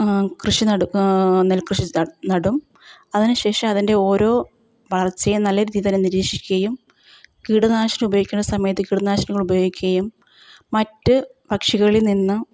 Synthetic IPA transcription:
krɨʂiɐnelkrɨʂinɐɽum | ɐðinɨɕe̞ːʂɐmɐðinde̞o̞ːɾo̞ː | ʋɐɭɐrt͡ɕːɐjnɐlːɐɾiːðit̪ɐneniɾiːkʂikʲːuɣɐjum | kiːɽunaːɕɐnɐmubɐjoɡikʲːunːɐsɐmɐjɐt̪̬ːɨkiːɽunaːɕɐnɐɣɐɭubɐjo̞ːɡikʲːuɣɐjumː | ɐtːɨbɐkʂiɣɐɭilninːɨ

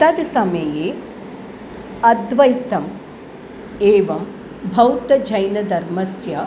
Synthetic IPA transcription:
t̪ɐd̪sɐmɐjeː | ɐd̪ʋɐjt̪ɐm | eːʋɐm | bʱɐwt̪ɐd͡ʒɐjnɐd̪ɐɾmɐsjɐ

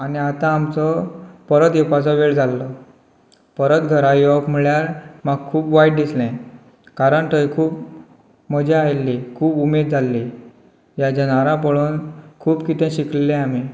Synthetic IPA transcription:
aniat̪ãːmt͡sɔpəɾət̪epat͡sɔʋeɭd͡zʱalːɔ | pəɾət̪ɡʱəɾãjɔkm̤iɭjaɾmaɡ̚kʰuːpʋajʈ̚dislɛ̃ | kaɾəɳʈəikʰuːp | məd͡ʑeajlːekʰuːbumed̪̚d͡zʱalːi | jat͡ɕanaɾãpəɭuːnkʰuːbkit̪ɛ̃ɕikllɛ̃ami

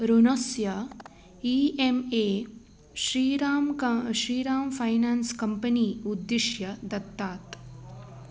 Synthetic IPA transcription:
ɾunosjɐ | iːemeː | ʃɾiːɾaːmʃɾiːɾaːmfʰɐjnaːnskɐmpɐniːud̪ːiʃjɐd̪ɐt̪ːaːt̪

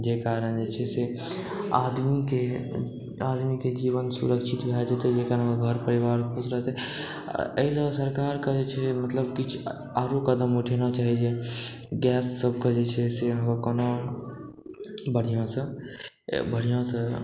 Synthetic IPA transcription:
d͡ʒekaːɾənd͡ʒet͡ʃʰɛse | ad̪mike | aːd̪miked͡ʒiːʋənsṵɾəkʃʰit̪bʱɛd͡ʒet̪ed͡ʒekaɾə̃ɡʱəɾpəɾiʋaːɾkʰosɾəɦt̪ɛ̰ | ə̰ɦɪlasəɾkaːɾkəd͡ʒet͡ʃʰɛmət̪ləbkit͡ʃʰ | aːɾokəd̪əmoʈʰenat͡ʃaːɦid͡ʒe | ɡɛːsːəbʱkəd͡ʒet͡ʃʰɛseɦəmakəno | bəɽ̤ijõsə̰̃ | bəɽ̤ijõsə̃

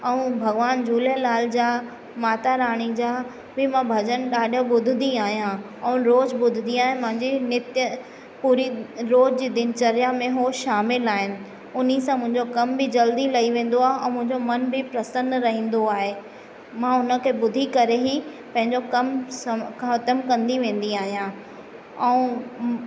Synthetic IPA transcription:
ɛ̃ũbʱɐɡʋaːnd͡ʑuːlelaːld͡ʑaː | maːt̪aɾaːɽ̃id͡ʑaː | bɪmãbʱɐd͡ʑənɗaːɗəɓʊd̪ʱɪnd̪iaːɦijã | ɛ̃ũɾoːd͡ʑɓʊd̪ʱɪnd̪iaːɦɪmʊ̃ɦɪ̃ɲd͡ʑinɪt̪jə | puːɾiɾoːd͡ʑd͡ʑiːd̪ɪnt͡ɕɐɾjamẽɦoʃaːmɪlaːɦɪnɪ̆ | ʊnisãmʊ̃ɦɪ̃ɲd͡ʑokɐmbɪd͡ʑɐld̪ilɐiʋẽːn̆d̪oaːɦeɛ̃ːmʊ̃ɦɪ̃ɲd͡ʑomɐnbɪpɾɐsə̃nɾɐɦĩːn̆d̪oaːɦe | mãːʊnə̆kʰeːbʊd̪ʱikɐɾeɦi | pɐ̃ɦɪ̃ɲd͡ʑokɐmskʰãɦɐt̪əmkɐ̃nd̪iʋẽːn̆d̪iaːɦijã | ɛ̃ũ

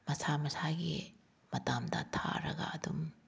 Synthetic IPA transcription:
mɐsamɐsaɡḭ | mɐtamdɐ̰tʰa̰ɾɐɡɐ̰ɐdum

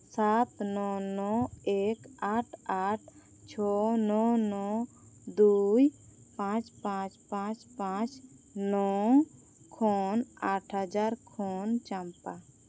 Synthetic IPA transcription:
sat̪nɔnɔekaʈʰaʈʰ | t͡ʃʰɔnɔnɔ | d̪uj | pãt͡ʃpãt͡ʃpãt͡ʃpãt͡ʃ | nɔ | kʰɔnaʈʰɦəd͡ʒaɾkʰɔnt͡ʃampa

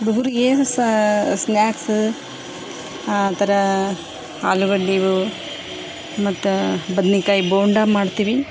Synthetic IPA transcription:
ɾuɡuɾujeːssnjaːks | t̪ɐɾɐ | aːluɡɐɭːiːʋu | mɐt̪ːubɐd̪nikaːjiboːɳɖamaːɖt̪iːʋi

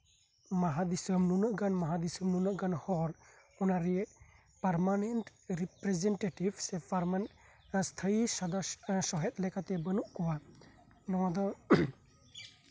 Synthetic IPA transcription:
maɦad̪isəmnunɔʔɡanmaɦad̪isəmnunəʔɡanhɔɾ | ɔnaɾijɛʔ | paɾmanɛnʈɾipɾɛzɛnʈeʈibsɛpaɾman | st̪ʰəjisad̪asɔɦɛt̪̚lɛkat̪ɛbənuʔkɔwa | nɔŋad̪ɔ

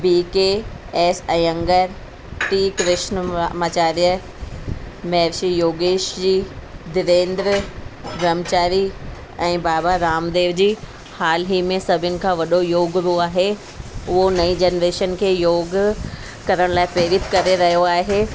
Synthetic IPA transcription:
biːkeɛːsɛ̃ːɐ̃ŋɡəɾ | ʈiːkɾɪʃnmaːt͡ɕaːɾijə | mɛɾʃijoːɡeːʃd͡ʑiːd̪ɪʋẽːnd̪ɾəɡɾɐmt͡ɕaːɾi | ɛ̃ːbaːbaɾaːmd̪eːʋd͡ʑiː | haːlɦimẽsɐbʱɪnɪ̆kʰãːʋɐɗojoːɡɾuaːɦe | ʊɦonɐid͡ʑeːnɾeːʃənkʰeːjoːɡ | kɐɾəɽ̃laːɪpɾeːɾɪt̪kɐɾeɾɐɦijoaːɦeː

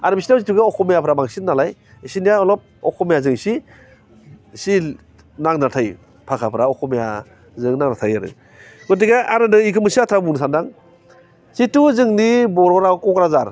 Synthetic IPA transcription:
aɾbisinasituɡaɔkʰɔmijapʰɾamaŋsinːalaj | sinijaɔlɔp̚ɔkʰɔmijazɯŋsi | si | naŋnatʰaj | pʰakʰapʰɾaɔkʰɔmija̰ | zɯŋnaŋnatʰajaɾɯ̰ | ɡɔtiɡaʔaɾɯnɯikʰɯmɯsiatʰɾabuns̬andaŋ | situzɯŋnibɔɾɔɾakɔkɾazaɾ

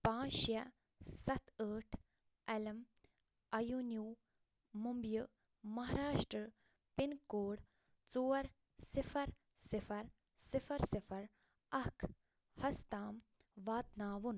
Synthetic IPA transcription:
pãːʃjɐ | sɐt̪əːʈʰ | ɐlɐm | ɐjunjuː | mumbju | mɐɦaːɾaːʂʈɾə | pinkoːɽ | t͡soːɐɾ | sifʰɐɾ | sifɐɾ | sifʰɐɾsifʰɐɾ | ɐkʰ | hɐst̪aːm | ʋaːt̪naːʋun

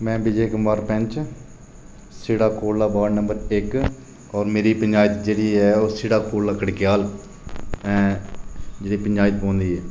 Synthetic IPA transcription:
mɛ̃ːbɪd͡ʒeːkəmaːɾpɛ̃ɲt͡ʃ | sɪɽaːkoːlaːbaːɾnəmbəɾɪk | ɔːɾmeːɾiːpəɲd͡ʒaːjɪt̪d͡ʒeːɽiːɛːoːsɪɽaːkoːlaːkəɽkɪjaːl | ɛ̃ː | d͡ʒeːɽiːpəɲd͡ʒaːɪt̪̚pɔ̃ːnd̪iːɛː

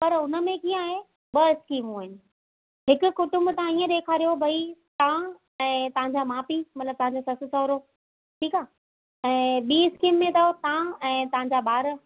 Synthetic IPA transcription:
pɐɾʊnə̆mẽkĩːə̃aːɦe | ɓɐɪskiːmuːɪnɪ̆ | ɦɪkʊ̆kʊʈʊ̃mbt̪ɐãiːə̃ɗ̪eːkʰaːɾijobʱɐit̪ã | ɛ̃ːt̪ɐɦãɲd͡ʑamaːpimɐt̪ləb̚t̪ɐ̃ɦãɲd͡ʑosɐsɪ̆sɔːɾoː | ʈʰiːkaː | ɛ̃ːɓiːɪskiːmːẽt̪ɐt̪ãɛ̃ːt̪ɐʋãɲ̆d͡ʑabaːɾ

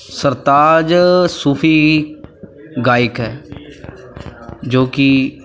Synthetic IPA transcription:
səɾt̪aːd͡ʒsuːpʰiː | ɡaːɪkɦɛː | d͡ʒoːkɪ

